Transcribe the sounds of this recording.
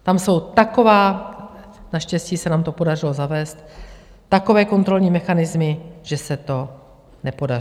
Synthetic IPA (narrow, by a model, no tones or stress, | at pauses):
t̪amso̞wt̪ako̞vaː | naʃcɛscisɛnaːmt̪o̞po̞darɪlo̞zavɛːst̪ː | ako̞vɛːko̞nt̪ɾo̞lɲiːmɛxanɪzmɪʒ̥ɛsɛt̪o̞ | nɛpo̞dar